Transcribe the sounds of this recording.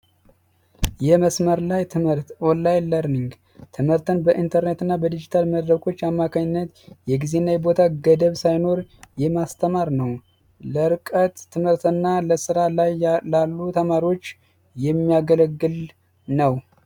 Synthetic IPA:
jɛməsməɾlajt̪ʰɨmhɨɾt̪ʔolːajləɾniŋɡ | t̪ʰɨmhɨɾt̪ʰɨnbəʔint̪ʰəɾnet̪ɨnːabəd̪id͡ʒit̪ʰalməd̪ɾəkʰʼo̞t͡ʃːamːakʰaɲɪnːət̪jɛɡize̞nːajɛbot̪ʰaɡəd̪əβsajno̞ɾjɛmast̪ʰəmaɾnəw | ləɾɨkʼət̪ʰːɨmhɨɾt̪ɨnːaləsɨɾalajlalːut̪ʰəmaɾio̞t͡ʃː | jɛmːijaɡələɡːɨl | nəw

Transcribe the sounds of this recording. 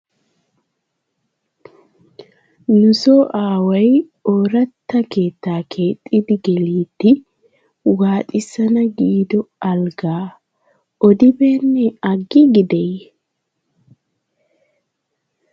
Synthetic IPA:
nʊso̞ːʔaːwɐj | oːɾɐt̪ːɐke̞ːt̪ːaːkʰe̞ːt̪ʼːɪd̪ɪɡɛliːt̪ːɪ | waːt̪ʼɪsɐnɐɡiːd̪ɔɐlɡaː | ɔd̪ɪbeːnːɛɐɡːɪɡɪd̪ɛj

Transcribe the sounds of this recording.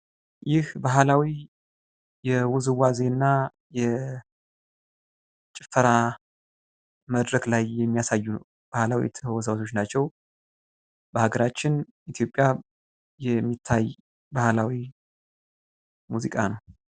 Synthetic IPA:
jɪhbaɦlawi | jɛwʊzɨwazenːa | jɛ | t͡ʃʼɪfəɾa | məd̪ɾəklajːɛmːijasajːunəw | b̥ahlawḭt̪ʰəhəwɔsawt̪ʰo̞t͡ʃːnat͡ʃːɛw | bəhaɡəɾat͡ʃːɪn | it̪ʰjo̞pʼja | jɛmːit̪ʰːaj | bahlawi | muzikʼanəw

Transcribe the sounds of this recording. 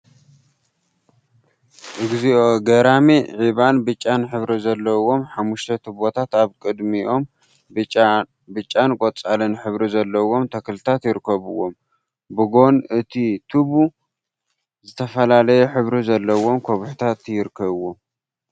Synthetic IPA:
ʔɨɡziʔo̞ɡɐɾamiʕiβanbɨt͡ʃʼːanħɨβɾizɐlːɐwo̞mħamːuʃt̪ʰɐt̪ʰɨβo̞t̪ʰat̪aβkʼɨd̪miʔo̞mʼ | bɨt͡ʃʼːankʼot͡sʼalɨnħɨβɾizɐlːɐwo̞mt̪ʰɐkʰɨlt̪ʰat̪jɪɾɨkʰːɐβɨwːom | bɨɡo̞nʔɨt̪ʰit̪ʰɨβu | zɨt̪ʰɐfɐlalɐjeħɨβɾizɐlːɐwo̞mkʰoβħt̪ʰat̪jɪɾɨkʰːɐβɨwom

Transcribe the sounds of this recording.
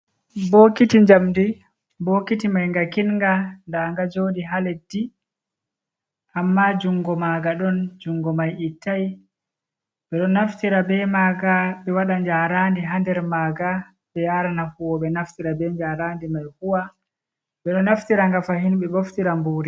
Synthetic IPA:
bokitiɲd͡ʒamdi | bokitimajŋɡakinŋɡandaŋɡad͡ʒoːɗiɦaledi | ʔamːad͡ʒuŋɡɔmaːɡaɗɔnd͡ʒuŋɡɔmajitʰːaj | ɓɛɗɔnaftiɾabɛmaːɡaɓɛwaɗaɲd͡ʒaɾaːndiɦandɛɾmaːɡa | ɓɛjaɾanahuwɔɓɛnaftiɾabɛɲd͡ʒaɾaːndimajhuwa | ɓɛɗɔnaftiɾaŋɡafahinɓɛboftiɾambuːɾi

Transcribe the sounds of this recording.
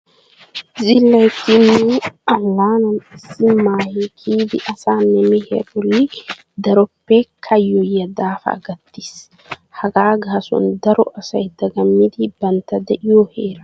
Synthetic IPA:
zɪlːɐjt̪ːɪnːuɐŋlaːnɐnɪsːɪmːaːhekʰiːd̪ɪʔɐsaːnɛmɛhɛ̰bɔlːɪ | d̪ɐɾɔpːekʰːɐjːɔjːɐd̪aːfɐ̰ɡɐt̪ːi̥s | hɐɡaːɡaːsɔ̰nd̪ɐɾɔʔɐsɐjd̪ɐɡɐmːɪd̪ɪbɐnt̪ɐd̪ɛʔɪjɔheːɾɐ

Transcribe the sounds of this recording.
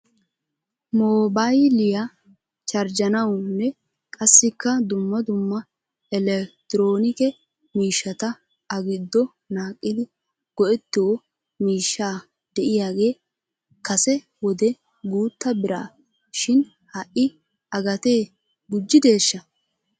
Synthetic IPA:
moːbajlɪja | t͡ʃʼɐɾd͡ʒɐnɐwnːɛ | kʼɐsːɪkːɐd̪ʊmːɐd̪ʊmːɐ | ɛlɛkt̪ɪɾo̞ːnɪkɛ | miːʃːɐt̪ɐ | ɐɡɪd̪ːɔ | naːkʼːɪd̪ɪ | ɡ̥ɔʔɛt̪ːɪwɔ | miːʃːaː | d̪̥ɛʔɪjaːɡe̞ː | kɐsɛ | wɔd̪ɛ | ɡuːt̪ːɐbɪɾa̰ː | ʃɪn | hɐʔɪ | ɐɡɐt̪e̞ː | ɡʊd͡ʒːɪd̪e̞ːʃːɐ

